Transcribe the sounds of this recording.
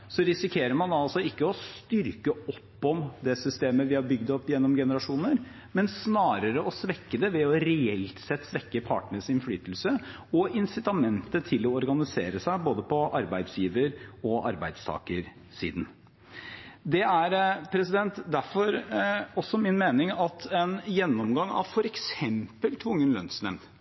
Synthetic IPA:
sɔɾɪsɪkʰeːɾəɾmɑnd̪ɑɑlsɔɪkːəɔst̪ʏɾkəɔpːɔmd̪ɛsʏst̪eːməʋɪhɑɾbʏɡd̪ɔpːjɛnːɔmɡɛnəɾɑʂuːnəɾ | mɛnsnɑːɾəɾəɔsʋɛkːəd̪ɛʋɛɔɾɛɛlt̪sɛt̪ːsʋɛkːəpʰɑ̰ːʈɳəsɪnflyːt̪əl̩sə | ɔɪnsɪt̪ɑmɛnt̪ət̪ʰɪlːɔɔɾɡɑnɪseːɾəsæɪboːd̪əpʰɔʔɑɾbæɪd̪sjiːʋəɾɔʔɑ̰ɾbæɪd̪st̪ʰɑ̰ːkəɾ | sḭːd̪n̩ | d̪ɛæɾpʰɾɛsɪd̪ɛnt̪d̪æɾfɔɾɔsːɔmɪnmeːnɪŋɑt̪ʰɛnjɛnːɔmɡɑŋːɑ̰ʋfɔɾɛksɛmpəlt̪ʰʋʊŋːənlœnsmɛ̰mn

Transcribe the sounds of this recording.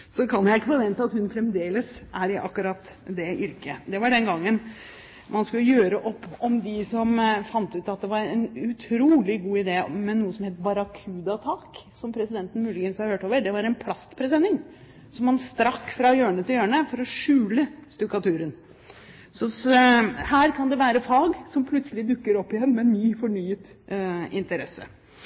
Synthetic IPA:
sɔkʰɑnjæɪɪkːəfɔɾʋɛnt̪əɑt̪hʉnfɾɛmd̪eːləsʔæɾɪʔɑ̰kːʉɾɑt̪ | d̪ɛʔʏɾkəd̪ɛʋɑɖɛnɡɑŋːən | mʔɑnskʉlːəjøːɾəʔɔpːɔmd̪ɪsɔmfɑnt̪ʉːt̪ɑt̪̚d̪ɛʋɑɾɛnʉt̪ʰɾuːlɪɡuːɪd̪eːmɛnːuːəsɔmheːt̪bɑɾɑkʰʉːd̪ɑt̪ʰɑːksɔmpʰɾɛsɪd̪ɛnt̪ən̩mʉːlɪɡənshɑɾhøːʈoːʋəɖɛʋɑɾɛnpʰlɑst̪pʰɾɛs̬ɛnːɪŋ | sɔmʋɑnst̪ɾɑkːfɾɑjøːɳət̪ʰɪljøːɳəfɔɾɔʂʉːləst̪ʏkɑt̪ʰʉːɾən | sɔ | hæːɾkʰɑnd̪ɛʋæːɾəfɑːɡsɔmpʰlʉt̪səlɪd̪ʉkːəɾɔpːɪjɛnːmɛnːyːfɔɳyːət̪ɪ̰nt̪əɾɛsə̰

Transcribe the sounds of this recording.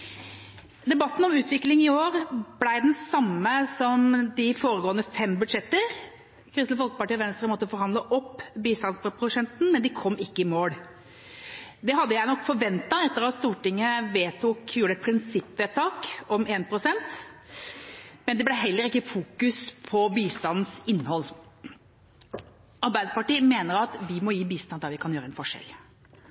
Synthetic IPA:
d̪ɛbɑt̪ːn̩ɔmʉːt̪ʋɪklɪŋɪoːɾblæɪd̪ɛnsɑmːəsɔmd̪ɪfoːɾəɡoːənəfɛmbʉd̪ʂɛt̪ːəɾ | kʰɾɪst̪ləfɔlkə̥pɑʈʰiːɔʋɛnst̪ɾəmɔt̪ːəfɔɾhɑnd̪ləʔɔpːbiːst̪ɑnsppʰɾʊʂɛnt̪n̩mɛnd̪ɪkʰɔmːɪkːəɪmoːɽ | d̪ɛɦɑd̪ːəjæɪnɔkːfɔɾʋɛnt̪ɑɛt̪ːəɾɑt̪st̪uːʈɪŋːəʋeːt̪ʰuːkjuːɖəɛt̪̚pʰɾɪnsɪpːʋeːt̪ʰɑːkɔmeːnpʰɾʊsɛnt̪ | mɛnd̪ɛblɛɦɛlːəɾɪkːəfuːkʉspʰɔbiːst̪ɑnn̩sɪnːhɔlː | ɑɾbæɪd̪əpɑʈiːmeːnəɾɑt̪ʋɪmɔjiːbiːst̪ɑnd̪ɑːʋɪkʰɑnjøːɾəɛnfɔʂɛ̰l

